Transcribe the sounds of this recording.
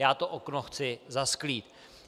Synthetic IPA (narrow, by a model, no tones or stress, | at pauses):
jaːt̪oʔoknoxt͡sɪzaskliːt̪